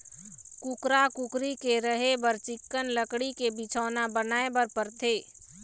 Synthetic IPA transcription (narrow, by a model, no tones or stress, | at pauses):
kʊkɾakʊkɾikeɾəɦebəɾt͡ʃɪkːənləkɽikebɪt͡ʃʰɔːnabənaːebəɾpəɾt̪ʰeː